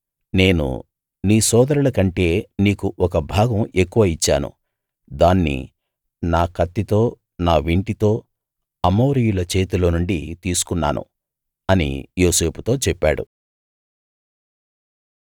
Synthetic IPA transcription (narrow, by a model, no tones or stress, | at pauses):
ne̞ːnṵ | niːsɔːd̪ɐɾulɐkɐɳʈe̞ːniːkuʔɔkɐbʱaːɡɐme̞kːuʋɐit͡ʃːa̰ːnṵ | d̪aːnːḭ | naːkɐt̪ːit̪o̞ː | naːʋiɳʈit̪o̞ː | ɐmoːɾijulɐt͡ʃe̞ːt̪ulo̞ːnuɳɖit̪iːsu̥kunːa̰ːnṵ | ɐnḭjo̞ːse̞ːpu̥t̪o̞ːt͡ʃɛpːa̰ːɽṵ